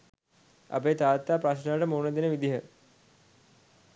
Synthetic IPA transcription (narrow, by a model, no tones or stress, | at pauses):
a̰peːt̪aːt̪ːaːpɾaɕnaʋʈəmuːnəd̪inəʋid̪iɦə